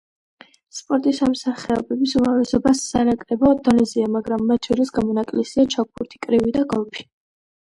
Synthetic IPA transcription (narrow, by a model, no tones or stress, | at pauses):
spʼɔɾt̪ʼisamsaχɛɔ̰bɛbisumavlɛsɔbasːanakʼɾɛbad̪ɔnɛziamaɡɾamːat̪ʰʃʰɔɾisɡamɔnakʼlɛsiat͡ʃʰak̚pʰuɾt̪ʰi̥kʼɾivid̪aɡɔlˠpʰi̥